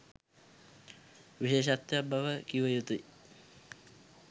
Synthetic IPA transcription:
ʋiʃeːʃat̪ːejabaʋəkiʋəjut̪uj

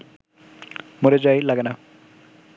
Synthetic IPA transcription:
moɾed͡ʒajlaɡena

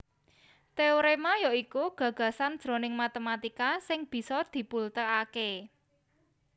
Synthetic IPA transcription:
t̪eoɾemajɔikuɡ̥ä̤ɡ̥a̤sand̥ʒ̥ɾo̤nɪŋmat̪emat̪ikasɪŋb̥i̤sɔd̪̥i̤pult̪əake

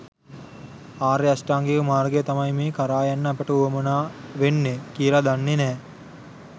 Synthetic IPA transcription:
aːɾeasʈaːŋɡeʋəmaːɾɡejɐt̪ɐmɐjmeːkaɾaːjanːəɐpəʈəuʋɐmunaːʋenːekiːlad̪anːenɛː

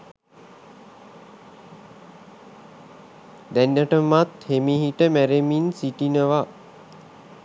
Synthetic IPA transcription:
d̪ænːaʈəmat̪hemiɦiʈəmæɾeminsiʈinəʋa

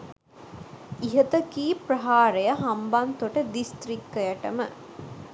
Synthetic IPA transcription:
iɦɐt̪ɐkiːpɾɐɦaːɾɐjɐɦɐmbant̪oʈɐd̪ist̪ɾikːɐjɐʈɐmə̰

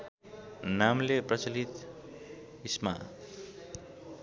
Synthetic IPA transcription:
namleprʌt͡sʌlit̪ | isma̰

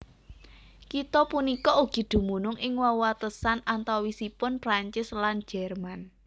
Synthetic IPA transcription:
kit̪ɔpunikɔuɡ̥i̤d̪̥ṳmunʊŋʔɪŋwawat̪əsanant̪awwisipʊnpɾaɲt͡ʃɪslan̥d͡ʒ̥ɛrman

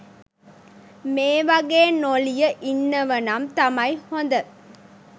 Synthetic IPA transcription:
meːʋɐɡeːnolijɐʔinːɐʋɐnɐmt̪ɐmɐjhond̪ɐ

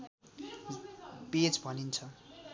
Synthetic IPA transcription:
bet͡sbʱʌnint͡sʰʌ

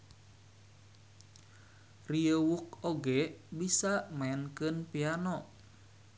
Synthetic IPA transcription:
riəwuk̚oɡɛbisamaɛnkɨnpianɔ

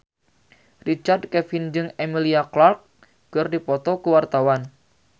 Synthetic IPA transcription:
rit͡ʃard̚kɛfind͡ʒɨŋemiliaklark̚ | kɨrdipɔt̪ɔkuwart̪awan

